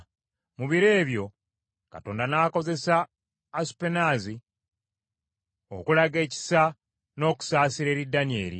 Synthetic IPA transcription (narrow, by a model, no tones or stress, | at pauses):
muβiɾe̞ːβjo̞ | ka̰to̞ːndanaːko̞ze̞saː | su̥penaːzi | o̞̰kulaɡe̞ːci̥sa | no̞ːku̥saːsiɾe̞ːɾidanie̞̰ːɾḭ